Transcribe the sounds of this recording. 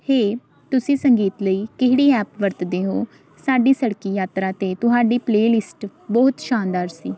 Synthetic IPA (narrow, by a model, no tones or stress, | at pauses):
heː | t̪ʊsĩːsəŋɡiːt̪ləiːkɪɦɽiːɛːpʋəɾt̪d̪eːɦoː | saːɖiːsəɽkiːjaːt̪ɾaːt̪eːt̪ʊɦaːɖiːpleːlɪsʈ | bɔːt̪ʃaːnd̪aːɾsiː